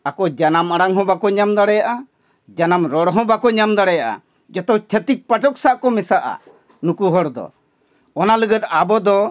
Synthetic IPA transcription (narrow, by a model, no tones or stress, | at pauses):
akɔd͡ʒanamaɽaŋɦɔ̃bakɔɲamd̪aɽɛjaʔa | d͡ʒanamɾɔɽɦɔ̃bakɔɲamd̪aɽɛjaʔa̰ | d͡ʒɔt̪ɔt͡ʃʰət̪ik̚paʈɔk̚saʔkɔmɛsaʔa̰ | nukuɦɔɾd̪ɔ̰ | ɔnaləɡət̪̚abɔd̪ɔ